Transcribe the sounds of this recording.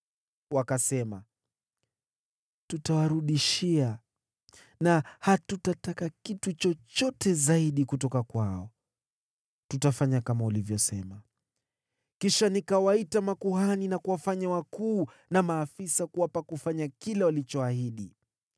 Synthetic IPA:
wakasɛma̰ | tutawaɾuɗiʃia | nahatutatakakitut͡ʃɔt͡ʃɔtɛzaiɗikutɔkakwaɔ | tutafaɲakamaulivjɔsɛma | kiʃanikawaitamakuhaninakuwafaɲawakuː | namaːfisakuwapakufaɲakilɛwalit͡ʃɔahiɗi

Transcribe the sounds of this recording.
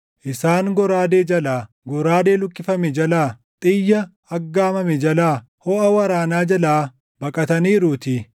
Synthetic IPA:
ʔɪsaːŋɡɔɾaːd̪eːd͡ʒɐlaː | ɡɔɾaːd̪e̞ːlʊkʼːɪfɐmɛd͡ʒɐlaː | t̪ʼɪjːɐː | ɡːaːmɐmɛd͡ʒɐlaː | hɔʔɐwɐɾaːnaːd͡ʒɐlaː | bɐkʼɐt̪ɐniːɾut̪i

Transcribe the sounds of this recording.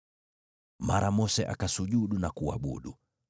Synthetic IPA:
maɾamɔsɛʔakasuʄuɗunakua̰ɓṵɗu

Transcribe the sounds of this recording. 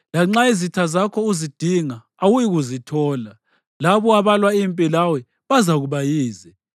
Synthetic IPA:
laŋ͡ǁaizitʰazakʰɔuzid̥ʱiŋaːwujiɣuzitʰɔːla | laβɔaβalwaimpʼilawɛ | βazaɣuβajiːzɛ

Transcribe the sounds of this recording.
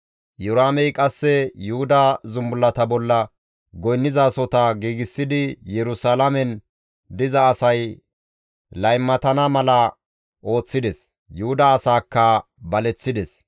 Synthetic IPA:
jʊɾaːmɛjkʼɐsːɛjʊhʊd̪ɐzʊmbʊlːɐt̪ɐbɔlːɐ | ɡɔjnːɪzasɔt̪ɐɡiːɡɪsːɪd̪ɪjɛɾʊsalamɛn | d̪ɪzɐːsɐj | lɐjmːɐt̪ɐnɐmɐlɐ | ʔo̞ːt͡sːɪd̪ɛs | jʊhʊd̪ɐːsaːkːɐ | bɐlɛt͡sːɪd̪ɛs

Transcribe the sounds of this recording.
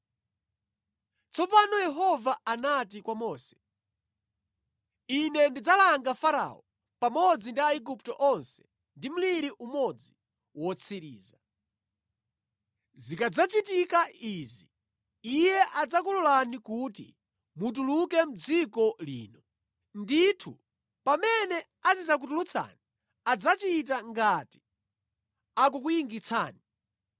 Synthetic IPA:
t͡sʰɔpanɔjɛɦɔvaanatikwamɔːsɛ̥ | inɛndid͡zalaŋɡafaɾa̰ɔ | pamɔd͡zindiaiɡup̚tɔʔɔnsɛ̥ | ndim̩liɾiʔumɔd͡zi | wɔt͡sʰiɾiːza | zikad͡zat͡ʃitikaizi | ijɛʔad͡zakulɔlanikuːtḭ | mut̬ulukɛm̩d͡zikɔlḭːnɔ | nditʰu | pamɛnɛ | azizak̬utulut͡sʰa̰ni | ad͡zat͡ʃit̬aŋɡati̥ | ak̬ukujiŋɡit͡sʰaːni

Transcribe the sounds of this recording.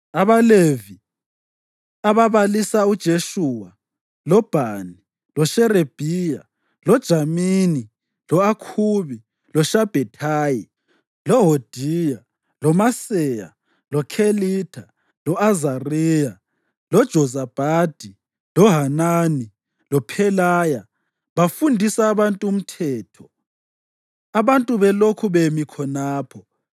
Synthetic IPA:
aβalevi | aβaβalisaud̥ʒ̥ʱeʃuwa | lɔb̥ʱaːni | lɔʃɛɾeb̥ʱija | lɔd̥ʒ̥ʱamini | lɔakʰuːβi | lɔʃab̥ʱɛtʰaːji | lɔɦod̥ʱija | lɔmasɛja̰ | lɔkʰeliːtʰa | lɔazariːja | lɔd̥ʒ̥ʱɔzab̥ʱaːd̥ʱi | lɔɦanaːni | lɔpʰɛlaːja | βafundʱisaːβantʼuːm̩tʰɛːtʰɔ | aβantʼuβɛlokʰuβemikʰɔnaːpʰɔ

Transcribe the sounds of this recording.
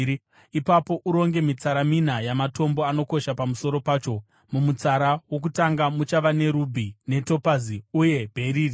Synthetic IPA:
ipapo̞ʔuɾo̞ŋɡe̞mit͡saɾaminajamato̞mbo̞ano̞ko̞ʃapamuso̞ɾo̞paːt͡ʃo̞ | mumut͡saɾawo̞k̬utaŋɡamut͡ʃaʋane̞ɾubʱine̞to̞paziuje̞bʱe̞ɾiːri

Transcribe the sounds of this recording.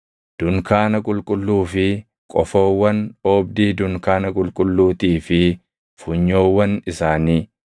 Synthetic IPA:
d̪̥ʊŋkaːnɐkʼʊlkʼʊlːuːfɪ | kʼɔfo̞ːwːɐnoːb̚d̪iːd̪ʊŋkaːnɐkʼʊlkʼʊlːuːt̪iːfɪ | fʊɲːoːwːɐnɪsaːniː

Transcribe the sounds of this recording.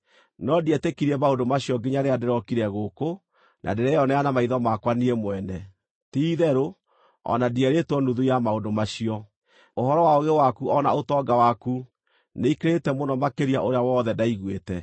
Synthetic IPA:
nɔdiɛtekiɾiɛmaondomaɕiɔɡeɲaɾeadeɾɔkiɾɛɣoko | nʔa̰deɾɛjɔnɛanamaiðɔmakwaniɛmoɛnɛ | tiiðɛɾo | ɔ̰nadiɛɾetwɔnuðujamaondomaɕiɔ | oɦɔɾɔwaoɣewakuɔna̰otɔɡawaku | neikeɾetɛmonɔmakeɾiaʔoɾeawɔːðɛdaiɣwetɛ

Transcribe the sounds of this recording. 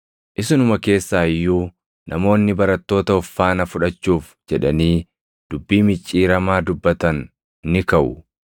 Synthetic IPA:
ʔɪsɪnʊmɐke̞ːsːaːɪjːuː | nʔɐmo̞ːnːɪbɐɾɐt̪ːo̞ːt̪ɐɔfːaːnɐfʊᶑɐt͡ʃːuːf | d͡ʒɛᶑɐniː | d̪̥ʊbːiːmɪt͡ʃʼːiːɾɐmaːd̪ʊbːɐt̪ɐnː | ɪkɐʔʊ̰

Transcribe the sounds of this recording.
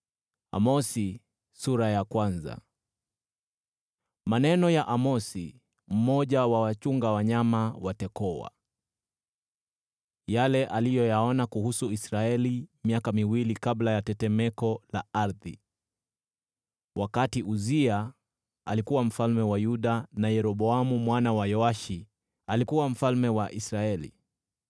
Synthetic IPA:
a̰mɔsi | suɾajakwanza̰ | manɛnɔjaʔamɔsi | m̩mɔʄawawat͡ʃuŋɡawaɲamawatɛkɔwa̰ | jalɛʔalijɔjaɔnakuhusuisɾaɛlimiakamiwilikablajatɛtɛmɛkɔlaaɾði | wʔakatiʔuzia | alikuwam̩falmɛwajuɗanajɛɾɔɓɔamumwanawajɔaʃi | alikuwam̩falmɛwaʔisɾaɛlḭ

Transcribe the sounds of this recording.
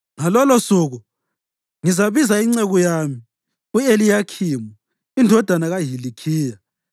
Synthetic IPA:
ŋalɔlosuːɣu | ŋizaβizaiŋ͡ǀeɣujami | uelijakʰiːmu | indʱɔd̥ʱanaɣaɦilikʰiːja

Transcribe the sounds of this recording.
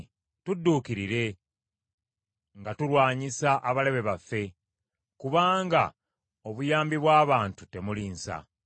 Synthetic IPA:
tudːuːkiɾiɾe̞ | ŋɡatulwaːɲisaʔaβale̞βe̞βafːe̞ | kuβaːŋɡa | o̞βujaːmbiβwaːβaːntute̞muliːnsa̰

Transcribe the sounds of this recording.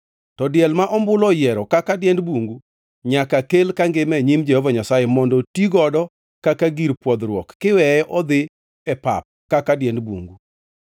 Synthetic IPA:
tɔdjɛlmaʔɔmbʊlɔjɛɾɔkakadjɛndbwoŋɡu | ɲakakelkaŋɡɪmɛɲimd͡ʒɛhɔvaɲasajɛmɔndɔtiɡɔdɔ | kakaɡiɾpwɔd̪ɾwɔkːɪwɛʔɔd̪ɪ | ɛpa̰p̚kakadjɛndbwo̰ŋɡu

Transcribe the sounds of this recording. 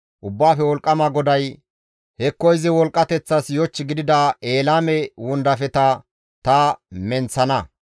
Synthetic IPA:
ʔʊbːaːfɛwɔlkʼːɐmaɡɔd̪ɐj | hɛkːɔjzɪwɔlkʼːɐt̪ɛt͡sːɐsjɔt͡ʃːɪɡɪd̪ɪd̪aeːlaːmɛwʊnd̪ɐfɛt̪ɐ | t̪ɐmɛnt͡sːɐnɐ

